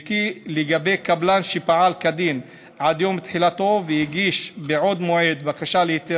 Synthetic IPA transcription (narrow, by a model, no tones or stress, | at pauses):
kileɡabejkablanʃipaʕalkad̪in | ʕad̪jo̞mt̪ħilat̪o̞vejiɡiʃbeʕo̞d̪moʕed̪bakaʃalehit̪i